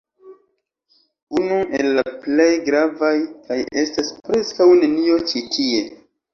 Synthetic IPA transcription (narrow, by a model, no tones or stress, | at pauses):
unuʔe̞lːaple̞jɡɾavajkaje̞staspɾe̞skawne̞nio̞t͡ʃitʰie̞